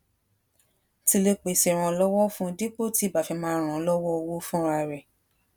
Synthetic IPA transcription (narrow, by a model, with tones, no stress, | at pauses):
ti˧le˧k͡pe˨si˨ɾ̃ã˧lɔ˦wɔ˦fũ˦di˦k͡po˦˨ti˨˦˨ba˨fi˧mãː˦ɾ̃ã˨lɔ˦wɔ˦o˧wo˦fũ˦ɾa˧˨ɾɛ˨